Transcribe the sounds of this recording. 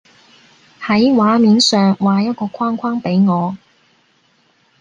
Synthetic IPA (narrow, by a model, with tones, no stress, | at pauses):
hɐ˨˥jwaː˨˥miː˨nsœː˨ŋwaː˨˧jɐ˥t̚kɔː˧kʷʰaː˥ŋkʷʰwaː˥ŋpe˨˥jŋɔː˨˧